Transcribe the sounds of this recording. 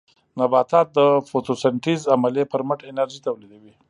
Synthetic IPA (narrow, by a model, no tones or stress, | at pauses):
nabɑt̪ɑt̪̚d̪əfoʈosaɳʈizamalepəɾməʈenaɾʒit̪awlid̪awi